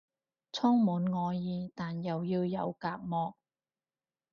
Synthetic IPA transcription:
t͡sʰɔː˥ŋmuː˨˥nŋɔː˨˧jiː˧t̪aː˨njɐ˨wjiː˧wjɐ˨˧wkaː˧k̚mɔː˨˧k̚

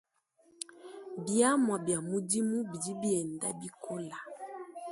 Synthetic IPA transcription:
bja˦mwa˨bja˨mu˦di˦mu˦bi˨di˦bi˦ɛ˨nda̰˦bi˦kʰo˦la˨

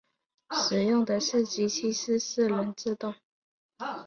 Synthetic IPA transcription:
ʂɻ̩˨˩jʊ˥˩ŋd̪ə˨ʂɻ̩˥˩t͡ɕi˥t͡ɕʰi˥ʂɻ̩˥˧s̩˥˩lə˧˥nt͡sɹ̩˥˧t̪ʊ˥˩ŋ

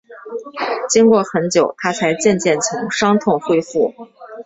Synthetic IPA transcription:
t͡ɕi˥ŋkwɔ˥˩xə˧˥nt͡ɕjo˨˩ʊt̪ʰa˥t͡sʰa˧˥ɪt͡ɕjɛ˥˧nt͡ɕjɛ˥˩nt͡sʰʊ˧˥ŋʂɑ˥ŋt̪ʰʊ˥˧ŋxwe˥˧ɪfu˥˩

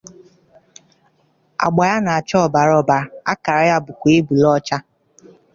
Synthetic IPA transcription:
a̰˨ɡ͡ba˨ja˦na˨a˨t͡ʃɔ˦˨ba˨ɾɔ˦ba˨a˦ka˨ɾa˨ja˦bʊ˨kʷe˦bu˨lɔ˦t͡ʃa˦

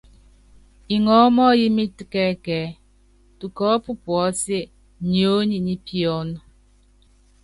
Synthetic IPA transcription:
i˨ŋɔ˨˦mɔː˦ji˦mi˦ti˨kɛ˦kɛː˨˦ | tu˨kɔː˦pu˦pwɔ˨˦se˦ | ɲo˨˦ɲi˨ɲi˦pjɔ˦n˦

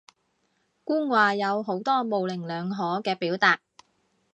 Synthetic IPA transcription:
kuː˥ŋwaː˧jɐ˨˧wɦo˨˥wt̪ɔː˥mo˨wlɪ˨˩ŋlœː˨˧ŋɦɔː˨˥kɛː˧piː˨˥wt̪aː˨t̚

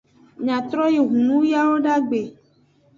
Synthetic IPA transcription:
ɲã˨t̪ɾɔ˦je˨ɦũ˨nũ˦ja˦wo˦ɖa˦ɡ͡be˨

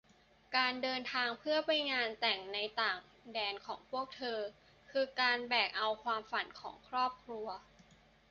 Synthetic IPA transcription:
kaː˧ndɤː˧nt̪ʰaː˧ŋpʰɯ˥˩ɐpa˧jŋaː˧nt̪ɛ˨˩ŋna˧jt̪aː˨˩ŋ | dɛː˧nkʰɔː˩˦ŋpʰu˥˩ək̚t̪ʰɤː˧ | kʰɯː˧kaː˧nbɛː˨˩k̚ʔa˧wkʰwaː˧mfa˨˩˦nkʰɔ̰ː˩˦ŋkʰɾɔː˥˩p̚kʰɾu˧ɐ

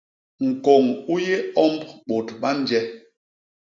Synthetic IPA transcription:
ŋ̩˨kɔ˨ŋu˦je˦ɔ˦mbɓo˨tɓa˦n˦d͡ʒɛ˦

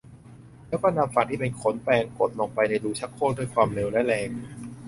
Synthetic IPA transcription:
lɛː˦˥wkɔː˥˩na˧mfa˨˩k̚t̪ʰiː˥˩pe˧nkʰo˩˦npɛː˧ŋko˨˩t̪̚lɔː˨˩k̚pa˧jna˧jɾuː˧˩t͡ɕʰa˦˥kʰːoː˥˩˨ndu˥˩jkʰwaː˧mle˧wlɛ˦˥lɛː˧ŋ

